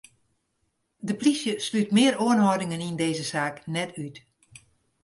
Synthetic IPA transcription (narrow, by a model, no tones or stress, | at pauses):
dəplisjəslytmɪəroənɦɔdɪŋənindeːzəsaːknɛtʰyt